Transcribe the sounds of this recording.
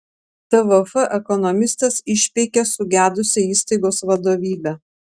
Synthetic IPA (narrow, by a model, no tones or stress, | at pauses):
t̪ɛʋofɛʔɛkɔnɔmʲɪst̪ɐsɪʃʲpʲɛɪkʲesʊɡʲæːd̪ʊsʲɪiːst̪ɐɪɡoːsʋɐd̪oːʋʲiːbʲæ